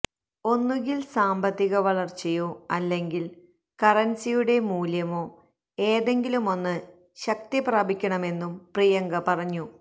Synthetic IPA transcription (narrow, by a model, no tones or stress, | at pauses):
o̞nːuɣilsaːmbɐt̪ːiɣɐʋɐɭɐrt͡ɕejoːɐlːe̞ŋɡil | kɐrɐnsijuɽe̞muːljɐmo̞ː | e̞ːðe̞ŋɡilumo̞nːɨ | ɕɐk̚t̪ipraːbʱikʲːɐɳɐme̞nːumprijɐŋɡɐpɐrɐɲːu